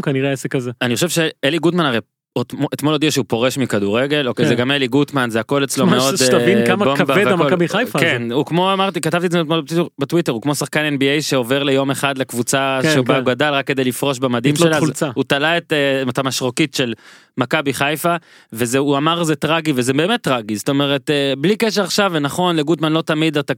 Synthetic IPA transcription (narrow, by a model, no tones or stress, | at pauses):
kaniʁeaesekazeaniχoʃevʃeeliɡutmanaʁej | otoʔet̪molodiaʃeupo̞ʁeʃmikaduʁeɡe̞lokejzeɡameliɡut̪manzeako̞let͡slomeo̞daimkamakbed̪amakabiχajfakenukmo̞amaʁt̪ikatavt̪iezetmoiubetwiteʁukmo̞saχkanenbiejʃe̞o̞veʁle̞jo̞meχad̪lekvut͡saʃebauɡadalʁakːe̞d̪ejlifʁo̞ʃbamad̪imʃelaut͡saut̪alaetematamaʃʁokitʃe̞l | makabiχajfa | vezeuamaʁzetʁaɡivezebe̞ːmet̪ːʁaɡizoto̞me̞ʁeteblikeʃ̬eaχʃavenaχo̞nleɡutmanlo̞t̪amid̪at̪a